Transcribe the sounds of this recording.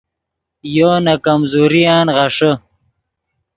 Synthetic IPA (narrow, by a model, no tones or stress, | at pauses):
joːnɐkɐmzuːɾiaːnʁɐʂə